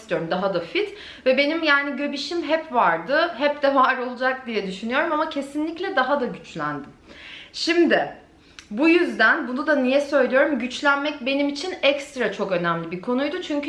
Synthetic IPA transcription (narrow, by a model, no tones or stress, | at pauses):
st̪ijo̞ɾumd̪aɦad̪afit̪ | vɛbe̞nimjaːniɟø̞biʃimɦɛpvaɾd̪ɯɦɛp̚d̪̥ɛvaːɾo̞lˠud͡ʒak̚d̪ijɛd̪yʃynyjo̞ɾumamacʰe̞sinlʲiclʲɛd̪aɦad̪aɟyt͡ʃlʲæ̰nd̪ɪmʃimd̪ɪ | bujyzd̪ænbunud̪anijɛsø̞jlʲijo̞ɾumɟyt͡ʃlʲænmɛc̚be̞nimit͡ʃʰinɛcst̪ɾat͡ʃʰo̞kø̞næmlʲibiɾkʰo̞nujd̪ut͡ʃʰyɲcʰy